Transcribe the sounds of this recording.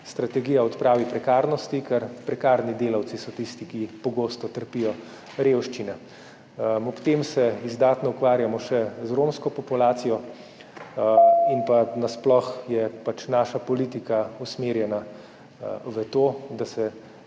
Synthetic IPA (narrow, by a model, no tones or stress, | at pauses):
st̪ɾat̪ɛɡiːjaɔt̪pɾaːʋipɾɛkaːɾnɔst̪ikɛɾpɾɛkaːɾnid̪eːlawt̪sisɔt̪ist̪ikipɔɡoːst̪ɔt̪əɾpijɔ | ɾewʃt͡ʃinɛ | ɔpt̪emsɛizd̪aːt̪nɔukʋaːɾjamɔʃɛzɾomskɔpɔpulaːt̪sijɔ | inpanasplɔxjɛpat͡ʃnaːʃapɔlit̪ikausmeːɾjɛna | ʋət̪oːd̪asɛ